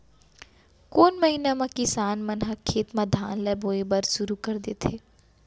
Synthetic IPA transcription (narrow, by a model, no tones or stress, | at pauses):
koːnmɐɦinamɐ̃kɪsaːnmɐnɦɐkʰːeːt̪mɐd̪ʱaːnlɛːboːebɐɾʃʊɾukɐɾd̪eːt̪ʰeː